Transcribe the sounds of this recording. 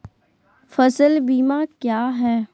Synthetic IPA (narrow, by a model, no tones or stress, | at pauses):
fɐsəlbiːmakjaːɦɛː